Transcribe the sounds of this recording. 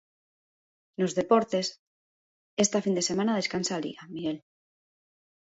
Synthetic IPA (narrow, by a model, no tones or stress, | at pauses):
nozðe̞poɾt̪e̞s | est̪afind̪e̞semãnað̞e̞skansalḭɣamiɣel